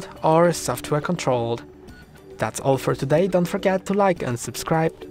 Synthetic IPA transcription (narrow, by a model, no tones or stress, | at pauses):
də˞sɔftʰwɛɹkʰə̃ntʰɹ̥oʊlˠd | ðætsɔ̰lˠfə˞tʰɨdeɪdõʊ̃ntfə˞ɡɛtʰːəlaɪkɨ̰̃nsɨb̥skɹaɪb̥̚